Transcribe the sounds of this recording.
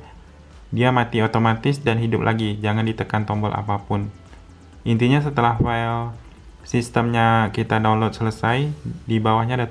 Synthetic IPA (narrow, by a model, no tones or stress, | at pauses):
diamat̪iot̪omat̪ɪsdanɦidʊp̚lʔa̰ɡid͡ʒaŋandit̪əkant̪ɔmbɔlʔa̰papʊn | ʔint̪iɲas̬ət̪əlahfail | sist̪əmɲakit̪adawnlɔt̪̚sələsajdibawahɲadat